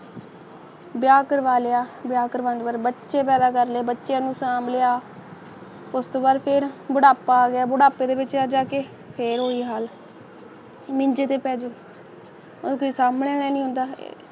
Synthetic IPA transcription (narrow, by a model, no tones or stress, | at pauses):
bjaːkəɾʋaːleaːbjaːkəɾʋãːnd͡ʒʋəɾbətːʃeːpɛːd̪aːkəɾleːbətːʃjãːnũːsaːmlejaː | ʊst̪oːbaːd̪pʰɪɾbʊɽaːpaːɡɪjaːbʊɽaːpeːd̪eːbɪːt͡ʃaːd͡ʒaːkeː | pʰɪɾɦoːiːɦaːl | mɪɲd͡ʒeːt̪eːpɛːd͡ʒoː | okoːiːsaːmɽeːɽɛːnĩːɦʊ̃nd̪a̰ː